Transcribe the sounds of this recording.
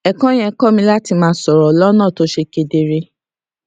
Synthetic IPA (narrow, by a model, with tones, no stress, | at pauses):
ɛ˨kã˦j̃ɛ̃˧kɔ˦˨mĩ˧la˦ti˧mãː˨˦sɔ˨ɾɔ˨lɔ˦nãː˦˨to˨˦ʃe˧ke˧de˧ɾe˧